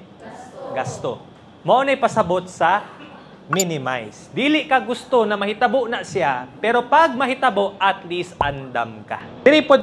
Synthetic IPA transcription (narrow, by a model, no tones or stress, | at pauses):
ɡast̪o̰ | mɐʔonɐjpɐsɐbot̪̚sɐ | minɪma̰jsd̪iːlɪʔkɐɡʊst̪onɐmɐhɪt̪ɐboʔnaʔsɪapɛːɾopaɡ̚mɐɦɪt̪ɐboʔɐt̪lisʔand̪a̰mka̰ɪɾipo